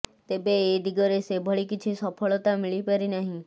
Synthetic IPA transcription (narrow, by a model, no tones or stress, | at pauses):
t̪ebeːd̪iɡɔɾesebʱɔɭikit͡ʃʰisɔpʰɔɭɔt̪amiɭipəɾinaɦĩ